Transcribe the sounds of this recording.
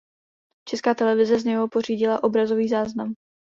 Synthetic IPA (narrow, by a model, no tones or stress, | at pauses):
t͡ʃɛskaːt̪ɛlɛvɪzɛzɲɛɦopo̞r̝iːɟɪlaʔo̞bɾazo̞viːzaːznam